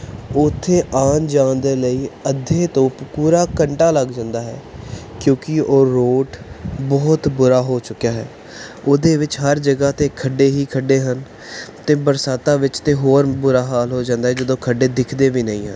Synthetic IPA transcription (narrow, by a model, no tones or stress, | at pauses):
ʊt̪ʰːeːʔaːnd͡ʒãːnd̪eːləiːəd̪ʱeːt̪õːppuːɾaːkəɳʈaːləɡd͡ʒãːnd̪aːɦɛ̰ːkjõːkɪoːɾoːʈbɔːt̪bʊɾaːɦoːt͡ʃʊkːjaːɦɛ̰ː | od̪eːʋɪt͡ʃɦəɾd͡ʒəɡaːt̪eːkʰəɖːeːɦiːkʰəɖːeːɦən | t̪eːbəɾsaːt̪ãːʋɪt͡ʃt̪ẽːɦoːɾbʊɾaːɦaːlɦoːd͡ʒãːnd̪aːɦɛːd͡ʒəd̪õːkʰəɖeːd̪ɪkʰd̪eːʋiːnəĩːɦə̰n